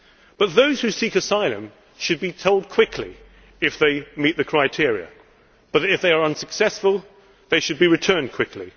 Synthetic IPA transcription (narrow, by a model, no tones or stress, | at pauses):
b̥ʌt̪̚ðoʊz̥hʉsikɨsaɪlˠɨ̰̃m | ʃɨd̚bitʰoʊlˠd̚kʰw̥ɪkʰlḭ | ɨfðeɪmit̪̚ðɨkʰɹ̥aɪtʰɪɹiɨ̰ | b̥ʌɾɨfðeɪə˞ʌ̃nsɨksɛsfəlˠ | ðeɪʃɨd̚biɹɨtʰɜ̃˞nkʰw̥ɪkʰlḭ